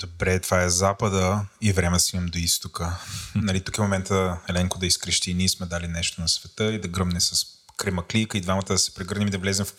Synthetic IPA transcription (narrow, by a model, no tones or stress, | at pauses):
d̪̥obɾɛt̪v̥aɛzapəd̪əivɾɛmɛd̪ɐsimɐmd̪oist̪okənɐlit̪u̥kifmomɛnt̪əɛlɛŋkʊd̪ɐiskɾɛʃt̪iniɛsmɛd̪alinɛʃt̪onɐsvɛt̪əid̪ɐɡɾɤmnɛsɐs | kɾɛmɐklʲikəid̪vamɐt̪əd̪ɐsɛ̥pɾɛɡɤɾnʲimid̪ɐvlɛzɛmf